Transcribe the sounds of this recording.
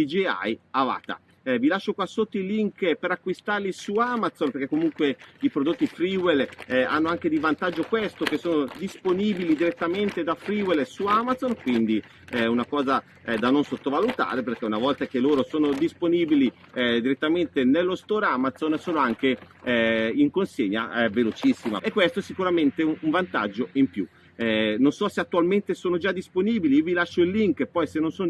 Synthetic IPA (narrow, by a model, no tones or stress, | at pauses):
id͡ʒia̰java̰ːt̪a̰ | vilaʃːokwasot̪ːiliŋkpeɾakːwist̪arlisuamat̪zonpeɾrk̟ekːomuŋkweipɾod̪ot̪ːifɾiwela̰nːoaŋk̟ed̪ivant̪ad͡ʒːokwest̪okesːoːnod̪isponiːbilid̪iɾet̪ːament̪ed̪afɾiwelsuamat̪zonkwind̪i | ɛunakɔːza | ɛd̪anonsot̪ːovalut̪a̰ːɾeperk̟ɛunavɔlt̪ak̟elːoːɾosoːnod̪isponiːbili | d̪iɾet̪ːament̪enelːost̪oɾamat̪zonsoːnoaŋke | iŋkonseɲːa̰ɛvelot͡ʃisːima̰ekːwest̪oɛsikuɾament̪euɱvant̪a̰d͡ʒːoimpjṵ | ɛnonsɔseat̪ːualment̪esoːnod͡ʒad̪ːisponiːbilivilaʃːoilːiŋkpːɔjsenːonsoːn